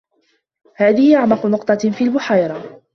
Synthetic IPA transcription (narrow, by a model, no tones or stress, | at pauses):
haːðɪhɪʔaʕmɑqʊnʊqt̪ˤɑfiːlbʊħajɾˤɑ